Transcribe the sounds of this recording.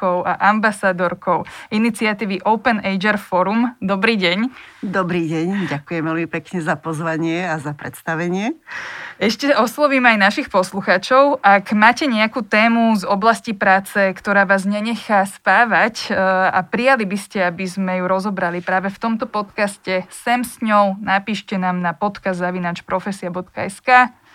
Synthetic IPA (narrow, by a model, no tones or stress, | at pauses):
kɔʊʔaʔambasad̪ɔɾkɔʊinit͡siat̪iːʋiʔɔʊpɛnɛjd͡ʒɛɾfɔɾumd̪ɔbɾiːɟɛɲd̪ɔbɾiːɟɛɲɟakujɛmʋɛlmipɛkɲɛzapɔzʋaɲɪɛazapɾɛ̰t̪st̪aʋɛɲɪɛ | ɛʃcɛɔslɔʋiːmajnaʃixpɔsluxaːt͡ʃɔʊʔakmaːcɛɲɛakuːt̪ɛːmuzɔblascipɾaːt͡sɛkt̪ɔɾaːʋaːzɲɛɲɛxaspaːʋaca̰pɾijalibiscɛabizmɛjuɾɔzɔbɾalipɾaːʋɛft̪ɔmt̪ɔpɔt̪kascɛsɛmsɲɔʊnapiːʃcɛnaːmnapɔt̪kazzaʋinaːt͡ʃpɾɔfɛsiabɔt̪kaɛskaː